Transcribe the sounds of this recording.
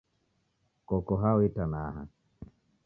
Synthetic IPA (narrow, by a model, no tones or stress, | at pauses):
kɔkɔɦawitanaːɦa̰